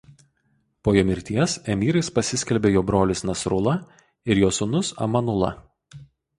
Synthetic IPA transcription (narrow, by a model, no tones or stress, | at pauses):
poːjoːmʲɪɾʲt̪ʲiɛsɛmʲiːɾɐɪspɐsʲɪsʲkʲɛlʲbʲeːjoːbɾoːlʲɪsnɐsɾʊlˠɐ | ɪɾjoːsʊnʊsɐ̰mɐnʊlˠɐ̰